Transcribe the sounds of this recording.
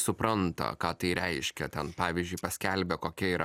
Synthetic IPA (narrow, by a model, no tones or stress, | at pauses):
sʊpɾɐnt̪ɐ̰kɑːt̪ɐɪɾʲɛɪʃʲkʲɛt̪ʲɛnpɑːʋʲizʲd͡ʒʲʊɪpɐsʲkʲɛlʲbʲɛkoːkʲɛiːɾɐ